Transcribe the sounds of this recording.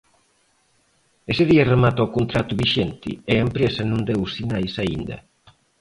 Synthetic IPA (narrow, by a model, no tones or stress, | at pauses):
eseðiɐremat̪okont̪ɾat̪ʊβiʃent̪ɪ̰eɐempɾesɐnũnd̪ewsinajsaḭnd̪ɐ̰